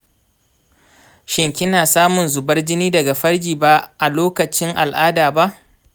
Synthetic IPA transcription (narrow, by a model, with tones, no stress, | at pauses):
ʃɪ˨ŋkʲɪ˦naː˨saː˦mʊ˨nzʊ˨bɐ˦rd͡ʒɪ˦niː˦dɐ˨ɡa˨ɸɐ˦rɡʲiː˨ba˦ʔa˨loː˦kɐ˨t͡ʃɪ˦ŋʔa̰˨lʔaː˦daː˨ba˦ʔ